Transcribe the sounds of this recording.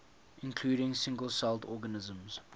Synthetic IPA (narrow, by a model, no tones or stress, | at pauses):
ʔɪ̃nkʰl̥uːɾɪ̃ŋsɪ̃ŋɡəlˠsaltɔɡənɪzə̃mz̥